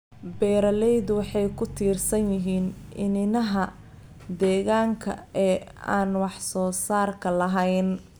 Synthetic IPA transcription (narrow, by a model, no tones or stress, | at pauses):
bɛːɾɐlɛjd̪wɑħɑjkʰʊt̪ʰiːrsɐnjɪɦiːnʔɪ̰nɪnɐɦɐ | d̪ɛːɣaːŋkʰɐ̰ɛːa̰ːnwɑħsɔːsaːrkʰɐlɐɦɛjn